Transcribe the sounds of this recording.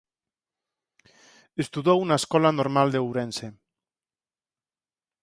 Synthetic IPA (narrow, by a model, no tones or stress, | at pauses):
est̪uðowunaeskɔlanoɾmald̪ewɾense